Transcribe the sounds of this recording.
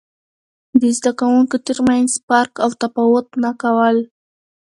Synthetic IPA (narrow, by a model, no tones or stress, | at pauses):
d̪əzd̪akawuŋkot̪əɾmanzpɑɾkawt̪afawʊt̪nakawəl